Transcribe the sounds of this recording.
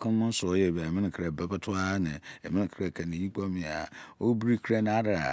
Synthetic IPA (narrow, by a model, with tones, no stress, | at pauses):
kʰʊ̃˦mʊ̃˦sʊ˨˦jɛ˦˨ba˨ɛ˨mɪ̃˦nɪ̃˨kʰɾa˨bɛ˦ba˦tʰʊ˦a˦nɪ̰̃˨ɛ˨mɪ̃˦nɪ̃˨kʰɾa˨kʰa˨nɪ̃˨ji˦k͡pɔ˦mɪ̃˨a̰˨o˦bi˦ɾi˦kʰɾa˦ñ˦a˦ɾa˨a̰˨